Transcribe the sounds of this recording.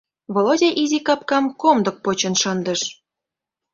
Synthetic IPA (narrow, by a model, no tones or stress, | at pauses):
βolodʲeʔizʲikɑpkɑmkomd̪ɤ̆k̚pot͡ɕɤ̆nʃɤnd̪ə̆ʃ